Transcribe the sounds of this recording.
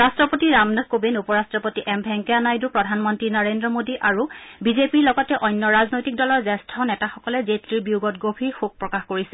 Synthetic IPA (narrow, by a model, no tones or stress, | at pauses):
ɹastɹɔpotiɹamnakobenupɔɹastɹɔpotiʔɛmbʱɛŋkɛanajdupɹɔdʱanmɔntɹinaɹendɹɔmodiʔaɹubizepiɹlɔɡɔtɛʔɔjnːɔɹaznojtik̚dɔlɔɹzɛstʰɔnɛtaxɔkɔlɛzetɹiɹbiuɡɔtɡobʱiɹxuɡ̚pɹɔkaxkoɹisɛ